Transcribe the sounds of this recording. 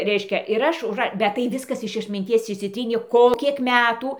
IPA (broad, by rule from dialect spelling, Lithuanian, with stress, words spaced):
ˈrʲɛɪʃʲkʲɛ ɪr ˈɐʃ ʊʒˈrɐ bʲɛt tɐɪ ˈʋʲɪskɐs ɪʃ ɐtʲmʲɪnʲˈtʲiɛs ɪʃʲsʲɪˈtʲrʲiːnʲeː ˈkoː ˈkʲiɛk ˈmʲæːtuː